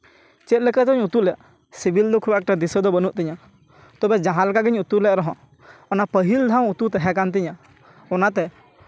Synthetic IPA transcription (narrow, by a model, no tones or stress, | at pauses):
t͡ʃɛt̪̚ˀlɛkət̪ɔɲut̪ulɛʔ̚ | sibild̪ɔkʰubɛk̚ʈad̪isəd̪ɔbənuʔt̪ɛɲa | t̪ɔbɛd͡ʒãɦãlɛkaɡiɲut̪ulɛʔɾɔɦɔ̃ | ɔnapəɦild̪ʱãw̃ut̪ut̪ɛɦɛkant̪̬iɲa | ɔnat̪ɛ